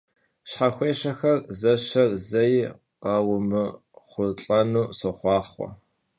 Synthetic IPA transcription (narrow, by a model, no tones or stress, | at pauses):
ɕħaxʷeːʃɐxɐrzɐʃɐrzɐj | qɑːwʊmɨ | χʷʊɬʼɐnuːsoχʷɑːχχʷɔ̰